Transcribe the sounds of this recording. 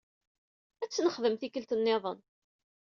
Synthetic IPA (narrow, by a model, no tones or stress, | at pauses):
æt͡sːnəχðəmθikəlt̪ənːeðˤən